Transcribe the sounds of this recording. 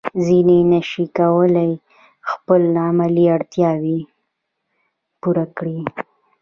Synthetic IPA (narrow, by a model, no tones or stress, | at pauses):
zinenaʃikawəlaj | xpəlamaliaɽt̪jɑwi | puɾakɽi